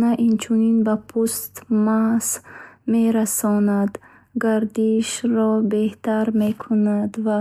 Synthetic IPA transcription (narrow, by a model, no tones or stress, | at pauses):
naʔint͡ʃʰuninbapʰust̪masmeɾasɔnad̪ | ɡaɾd̪iʃɾɔbeht̪aɾmekʰunad̪va